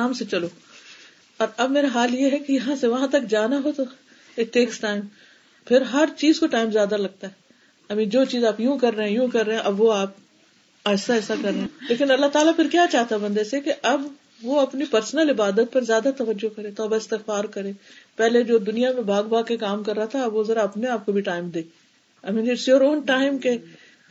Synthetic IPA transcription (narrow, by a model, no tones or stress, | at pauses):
aːmset͡ʃɐloː | ɔːɾɐbmeːɾaɦaːljeɦɛkijɐɦãseʋɐɦãt̪ɐkd͡ʒaːnaɦot̪o | eʈ̪eːksʈaːɪm | pʰɪɾɦɐɾt͡ʃiːzkoʈaːɪmzjaːd̪alɐɡ̚t̪aɦɛ | ɐmĩːd͡ʒoːt͡ʃiːzaːpjũkɐɾːeɦɛ̃jũkɐɾːeɛ̃ʔɐbʋoaːp̚ | aːsaɛːsakɐɾːeẽleːkɪnɐlːaɦt̪aːlapʰɪɾkjaːt͡ʃaːɦt̪abɐ̃nd̪eːsekeʔɐb | ʋoɐpnipɐɾsnəlɪbaːd̪ət̪̚pɐɾzjaːd̪at̪ɐʋəd͡ʒːokɐɾẽːt̪oːbaɪst̪ɪxfaːɾkɐɾẽːpɛːled͡ʒoːd̪ʊnijamẽbʱaːɡbaːkekaːmkɐɾːaɦat̪ʰabʋozɐɾaːpneaːp̚kobʱiʈaːɪmd̪eː | ɐmĩd̪isoːɾoːnʈaːɪmke